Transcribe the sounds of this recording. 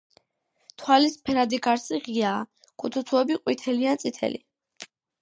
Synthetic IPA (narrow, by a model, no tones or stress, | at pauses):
t̪ʰwalispʰɛɾad̪iɡaɾsiʁiaː | kʼut̪ʰut̪sʰuɛbiqʼwit̪ʰɛliansʼit̪ʰɛ̰lḭ